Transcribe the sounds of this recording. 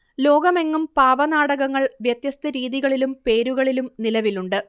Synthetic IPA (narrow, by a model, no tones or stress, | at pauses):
lo̞ːɡɐme̞ŋːumpaːʋɐnaːɽɐɣɐŋːɐɭʋjɐt̪jɐst̪ɐɾiːðiɣɐɭilumpe̞ːɾuɣɐɭilumnilɐʋiluɳɖɨ